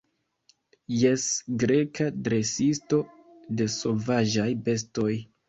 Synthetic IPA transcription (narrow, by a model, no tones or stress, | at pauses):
je̞sɡɾe̞kadɾe̞sisto̞ | de̞so̞vaʒajbe̞s̬to̞j